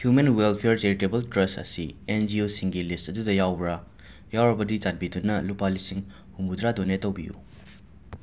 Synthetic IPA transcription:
hjumenwelpʰeɾt͡ʃeɾitebɐltɾɐstɐ̰siend͡ʒiosiŋɡilistɐdudɐjawbɾa | jawɾɐbɐdit͡ʃat̚bidunɐlupalisiŋ | humbudɾadonetːɐwbijṵ

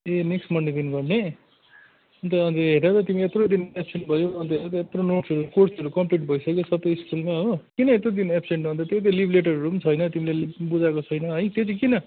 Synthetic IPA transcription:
eneksʈmʌnd̪ed̪inɡʌrne | ʌnt̪ʌʌnt̪ʌɦeɾnat̪ʌt̪imiet̪rod̪inepseɳʈbʱʌjoʌnt̪ʌɦeɾat̪ʌet̪ronoʈsʌɾukorsʌɾukʌmpliʈ̚bʱʌjsʌkjosʌpːʌjskulmaɦokinʌet̪rod̪inepseɳʈʌnt̪ʌt̪jet̪ʌlibʱleʈ̬ʌrʌɾumt͡sʰʌjnʌt̪imilebud͡zakot͡sʰʌjnʌɦʌjt̪jet͡sʌ̃kinʌ

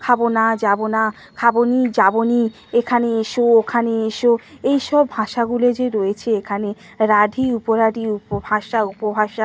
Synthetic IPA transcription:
kʰabonad͡ʑabona | kʰabonid͡ʑaboni | ekʰaneeʃookʰaneeʃoejʃɔbʱaʃaɡuled͡ʑeɾojet͡ɕʰeekʰane | ɾaɖʱiupoɾaɖʱiupobʱaʃaupobʱaʃa

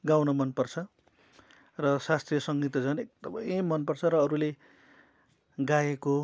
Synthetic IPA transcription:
ɡawnʌmʌnpʌrt͡sʰʌ | rʌsast̪rijʌsʌŋɡit̪ʌd͡zʌnek̚d̪ʌmʌ̰jemːʌnpʌrt͡sʰʌɾʌːɾule | ɡaeko

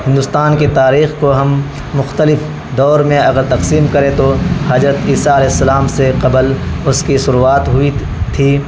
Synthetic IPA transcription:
ɦɪ̃nd̪ʊst̪aːnket̪aːɾiːxkoɦɐmː | ʊxt̪əlɪf | d̪ɔːɾmẽɐɡəɾt̪ɐqsiːmkɐɾẽt̪ohaːd͡ʒɾət̪iːsaɐlɛːɦɪsːɐlaːmseqɐblʊskisʊɾuaːt̪ɦʊi | t̪ʰiː

